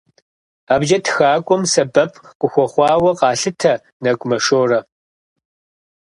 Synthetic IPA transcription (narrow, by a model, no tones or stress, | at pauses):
aːbʒɐtʰxaːkʷʼɔmsɐbɐpʰkʷʼʊxʷɔχʷɑːwɐqɑːɬɨtʰɐ | nɐkʷʼmɐʂoːrɐ